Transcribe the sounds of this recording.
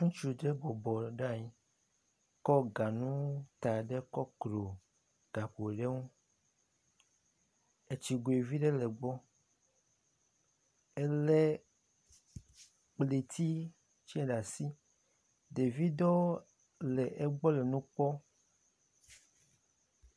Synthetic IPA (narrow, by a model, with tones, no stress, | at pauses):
ŋũ˦t͡ʃu˨ɖɛ˦ɡ͡bɔ˨bɔ˨ɖa˦˨ɲi˨ | kɔ˦ɡa˨nũ˦t̪a˨ɖɛ˦kɔ˦klo˨ | ɡ̥a˨ɸo˨ɖe˦ŋũ˦ | e˨t͡ʃi˨ɡo˨e˨vi˦ɖɛ˦lɛ˨ɡ͡bɔ˦ | e˦lɛ˦ | k͡ple˨t̪i˦ | t͡ʃi˦ɛ˦ɖa˨si˦ | de˨vi˦d̪ɔ˦ | lɛ˨ʔe˦ɡ͡bɔ˦lɛ˨nũ˦k͡pɔ˦